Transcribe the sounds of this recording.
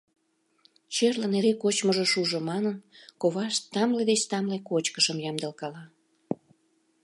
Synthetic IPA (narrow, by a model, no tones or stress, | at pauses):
t͡ɕerlə̆neɾekot͡ɕməʒŏʃuʒŏmɑnənkoβɑʃt̪ɑmled̪et͡ɕt̪ɑmlekot͡ɕkəʃəmjɑmd̪ə̆lkɑlɑ